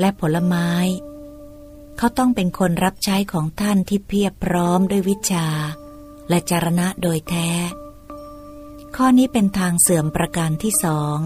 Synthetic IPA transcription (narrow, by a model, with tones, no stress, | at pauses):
lɛ˦˥pʰo˩˦la˧maː˦˥j | kʰa˦˥wt̪ɔ˥˩ŋpe˧nkʰo˧nɾa˦˥p̚t͡ɕʰa˦˥jkʰɔː˩˦ŋt̪ʰa˥˩nt̪ʰiː˥˩pʰi˥˩ət̚pʰɾɔː˦˥mdu˥˩əjwi˦˥t̪̚t͡ɕʰaː˧ | lɛ˦˥t͡ɕaː˧ɾa˧na˦˥doː˧jt̪ʰɛː˦˥ | kʰɔː˥˩niː˦˥pe˧nt̪ʰaː˧ŋsɯ˨˩əmpɾa˧ka˧nt̪ʰiː˥˩sɔː˩˦ŋ